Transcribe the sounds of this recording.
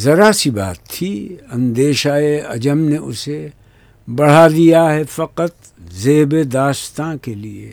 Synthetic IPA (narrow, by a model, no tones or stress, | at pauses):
zɐɾasiba̰ːt̪ʰːiɐ̃nd̪eːʃaːeɐ̰d͡ʒəmneʊse | bɐɽ̤ad̪ijaɦɛfɐqət̪ | zeːbed̪aːʃt̪ãkeliḛ